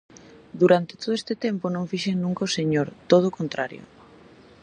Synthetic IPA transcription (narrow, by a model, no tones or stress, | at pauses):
d̪uɾant̪e̥t̪oðoest̪et̪emponõŋfiʃeŋnũŋkaoseɲoɾt̪oð̞okont̪ɾaɾjo̰